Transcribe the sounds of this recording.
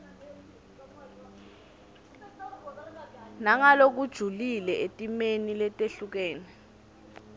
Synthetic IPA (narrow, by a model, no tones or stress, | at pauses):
naŋalok̬ud̥ʒ̥ʱulilɛetʼimenilɛtʼeɬuk̬ɛːnɛ